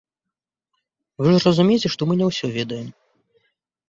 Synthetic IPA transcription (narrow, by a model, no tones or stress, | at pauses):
vɨʐrɐzumʲet͡sʲɛʂt̪ɔmɨnʲɛwsʲɔvʲɛd̪ɐjɛm